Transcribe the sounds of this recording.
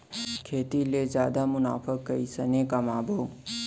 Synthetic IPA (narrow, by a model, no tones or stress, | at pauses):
kʰeːt̪ilezjaːd̪amʊna̰ːfʰəkːɐisənekamaːbʱəw